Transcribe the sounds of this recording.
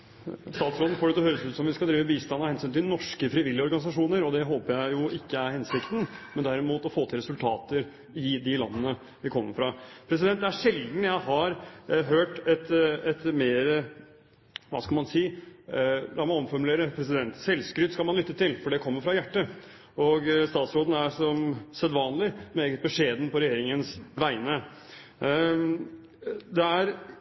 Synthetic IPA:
st̪ɑːt̪sɾoːd̪n̩foːɖɛt̪ɔhøːɾəsʉːt̪sɔmʋɪskɑld̪ɾiːʋəbiːst̪ɑnːɑhɛnsyːnt̪ʰɪlnɔʂkəfɾɪʋɪlːɪɔɾɡɑnɪs̬ɑʂuːnəɾɔd̪ɛɦoːpəjæɪjʊʔɪkːəæɾhɛnsɪkt̪n̩mɛnd̪æɾɪmuːt̪ɔfoːt̪ʰɪlɾɛsʉlt̪ʰɑːt̪əɾ | ɪd̪ɪlɑnːənə | ʋɪkʰɔmːəɾfɾɑpʰɾɛs̬ɪd̪ɛnt̪d̪ɛæʂɛld̪n̩jæɪɦɑɾɦøːʈɛt̪ɛt̪meːɾə | ʋɑ̰skɑlmɑnsiː | d̪ɑmɑɔmfɔɾmʉleːɾəpʰɾɛs̬ɪd̪ɛnt̪sɛlskɾʏt̪ːskɑlmɑnlʏt̪ːət̪ɪlfɔɖɛkʰɔmːəɾfɾɑjæʈːə | ɔɡst̪ɑːt̪sɾoːd̪n̩æʂɔmsɛd̪ʋɑːnlɪmeːɡət̪̚bəʂeːd̪n̩pʰɔɾɛjeːɾɪŋənsʋæɪnə | d̪ɛæɾ

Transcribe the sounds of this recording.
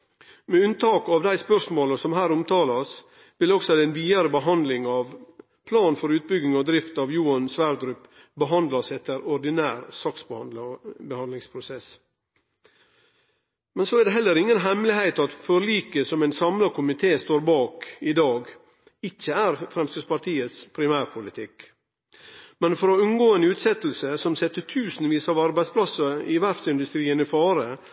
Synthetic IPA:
mɛʉnt̪ʰɑːkɑʋd̪æɪspœʂmoːləsɔmɦæːɾʊmt̪ʰɑːlɑs | ʋɪlɔksɔdɛnʋiːəɾəbəɦɑnd̪lɪŋɑʋ | pʰlɑːnfɔɾʉːt̪̚bʏɡɪŋɑd̪ɾɪft̪ɑʋjuːɑnsʋæɾd̪ɾʉp | bəɦɑnd̪lɑsɛt̪ːəɾɔɾɖ̪ɪnæːɾsɑks | bəhɑnd̪lɪŋspʰɾʊsɛs | mɛnsoæɾd̪ɛɦɛlːəɾɪŋːənɦɛmlɪhæɪt̪ɑt̪fɔɾɭiːkəsɔmæɪnsɑmlɑkʰʊmɪt̪ʰeːst̪oːɾbɑːkɪd̪ɑːɡ | ɪçːəæɾfɾɛmst̪əspɑɾt̪ʰiːət̪spʰɾɪmæːɾpʰʊlɪt̪ʰɪk | mɛnfɔɾɔʉnɡoːeːnʉːt̪sɛt̪l̩səsɔmsɛt̪ːət̪ʰʉːsn̩ʋiːsɑːʋɑɾbæɪspʰlɑsəɾɪʋæɾfsɪnd̪ʉst̪ɾiːənɪfɑːɾə

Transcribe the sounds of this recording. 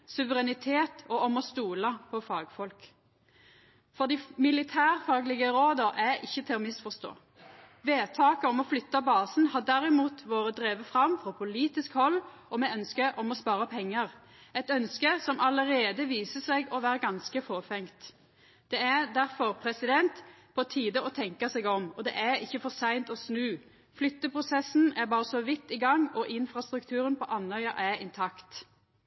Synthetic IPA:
sʉʋəʁɛnɪt̪ʰeːt̪ʰɔɔmɔst̪uːlɑpʰɔfɑːɡfɔlk | fɔʁd̪ɪmɪlɪt̪ʰæːʁfɑːɡlɪɡəɾoːd̪əɾʔæɾɪçːət̪ʰɪlɔːmɪsfɔst̪o̰ː | ʋeːt̪ʰɑːkəɔmɔflʏt̪ːɑbɑːsnhɑʁd̪æɾɪmuːt̪ʋoːʁəd̪ʁeːʋəfʁɑmfɔpʰʊliːt̪ɪskhɔlː | ɔmɛœnskəʔɔmɔspɑːʁəpʰɛŋːəʁ | ɛt̪œnskəsɔmʔɑləɾeːd̪əʋiːsəsɛɡɔʋæːɾəɡɑnskəfoːfɛŋt̪ | d̪̥ɛæʁd̪æʁfɔʁpʰɾɛsɪd̪ɛnt̪ | pʰɔt̪ʰiːd̪əɔt̪ʰɛŋkəsɛɡɔmɔd̪ɛ̰ʔæɾɪçːəfɔsæɪnt̪ɔsnʉː | flʏt̪ːəpʰɾʊsɛsn̩æbɑːʁəsɔʋɪt̪ːɪɡɑŋːɔʔɪnfʁɑst̪ɾʉkt̪ʰʉːɾənpʰɔʔɑnhœʏɑʔæɪnt̪ʰɑkt̪

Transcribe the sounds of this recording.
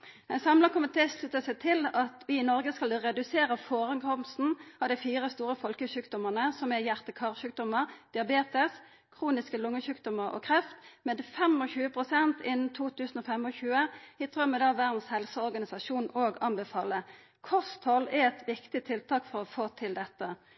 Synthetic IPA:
ɛnsɑmlɑkʊmɪt̪ʰeːslʉt̪əsɛt̪ʰɪlɑt̪ʋɪɪnɔɾɡəskɑlʁɛd̪ʉseːɾəfoːʁɛnkʰɔmst̪n̩ɑʋd̪æɪfiːʁəst̪uːɾəfɔlkəçʉːkd̪ɔmənəsɔmɛjæʁt̪əkʰɑːʁçʉːk̚d̪ɔməʁd̪̥ɪɑbeːt̪əs | kʰʁuːnɪskəlʊŋːəçʉːkd̪ɔməʁɔ̰kʰʁɛft̪mɛːd̪fɛmɔɕʉːəpʰʁʊsɛnt̪ɪnn̩t̪ʰuːt̪ʰʉːsn̩ɔːfɛmɔçʉːəɪt̪ʁœmːəd̪ɑːʋæʁd̪n̩shɛlsəɔʁɡɑnɪsɑʂuːnoːɡɑnbɛfɑːlə | kʰɔst̪hɔlɛɛt̪ʋɪkt̪ɪt̪ʰɪlt̪ʰɑːkfɔʁɔfoːt̪ʰɪld̪ɛt̪ːə

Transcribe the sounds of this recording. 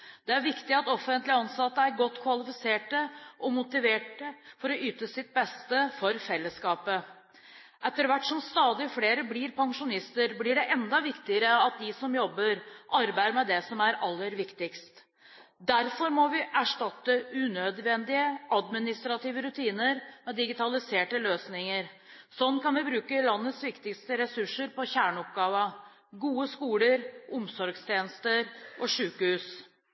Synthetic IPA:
d̪̥ɛæɾʋɪkt̪ɪɑt̪ɔfːənt̪lɪɑnsɑt̪ːəæɾɡɔt̪ːkʰʋɑlɪfɪseːʈəʔɔmʊt̪ɪʋeːʈəfɔɾɔyːt̪əsɪt̪̚bɛst̪əfɔɾfɛlːəskɑːpə | ʔɛt̪ːəɾʋæʈːʂɔmst̪ɑːd̪ɪfleːɾəblɪɾpʰɑŋʂʊnɪst̪əɾblɪɖɛʔɛnd̪ɑʋɪkt̪ɪəɾəɑt̪̚d̪ɪsɔmjɔbːəɾʔɑɾbæɪəɾmɛd̪ɛsɔmæɾɑlːəɾʋɪkt̪ɪkst̪ | d̪æɾfɔɾmɔʋɪʔæʂʈɑt̪ːəʉnœd̪ʋɛnd̪ɪəʔɑd̪mɪnɪst̪ɾɑt̪iːʋəɾʉt̪ʰiːnəɾmɛd̪ɪɡɪt̪ʰɑlɪseːʈəløːsnɪŋəɾ | sɔnːkʰɑnʋɪbɾʉːkəlɑnːət̪sʋɪkt̪ɪkst̪əɾɛsʉʂːəɾpɔçæːɳəɔp̚ɡɑːʋə | ɡuːəskuːləɾʊmsɔɾɡst̪ʰjeːnəst̪əɾʔɔʂʉːkəhʉːs

